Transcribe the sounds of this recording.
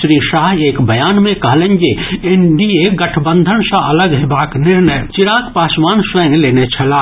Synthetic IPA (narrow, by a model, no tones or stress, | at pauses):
ʃɾiːʃaːɦeːkbʱɐjaːnmẽkɐɦlẽnd͡ʒeɪɳɖieːɡɐʈʰbə̃nd̪ʱənsãɐləɡɦebaːknɪɾnəjt͡ʃɪɾaːkpaːsʋaːnsʋəːneleːnet͡ʃʰɐlaː